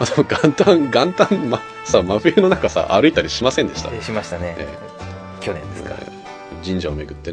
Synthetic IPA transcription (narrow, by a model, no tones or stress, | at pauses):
mad̪emoɡãnt̪ãŋɡãnt̪ãmma | samaɸɯ̟jɯno̞nakasa̰ʔaɾɯ̟it̪aɾʲiɕimasẽnd̪e̞ɕi̥t̪a̰ɕimaɕi̥t̪aneḛ | kʲoẽka̰ | d͡ʑĩɲ̟d͡ʑaome̞ɡɯ̟t̪ːe